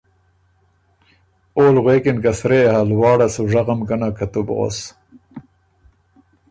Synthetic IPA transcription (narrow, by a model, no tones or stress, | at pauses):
oːlʁweːkinkasɾehalwɑːɽasuʐaʁamkanakat̪ub̰ʁo̰s